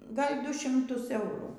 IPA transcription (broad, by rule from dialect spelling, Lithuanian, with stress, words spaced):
ˈɡɐlʲ ˈdʊ ʃʲɪmˈtʊs ˈɛʊruː